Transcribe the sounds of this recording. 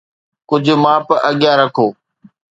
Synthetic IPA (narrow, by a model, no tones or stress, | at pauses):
kʊd͡ʑʱʊmãːpʔəɠijaːɾəkʰoː